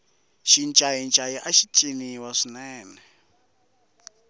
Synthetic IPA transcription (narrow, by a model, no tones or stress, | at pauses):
ʃint͡ʃʼajint͡ʃʼajiʔaʃitʼiniwaʂinɛːnɛ